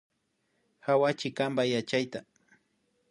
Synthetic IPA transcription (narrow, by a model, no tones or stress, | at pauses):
hawat͡ʃɪkambajat͡ʃajt̪a